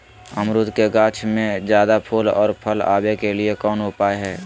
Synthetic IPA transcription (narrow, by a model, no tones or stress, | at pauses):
əmɾud̪keɡaːt͡ʃʰmẽd͡ʒjaːd̪apʰuːlɔ̰ːɾpʰəla̰ːbekeliekɔːnʊpaːeɦɛː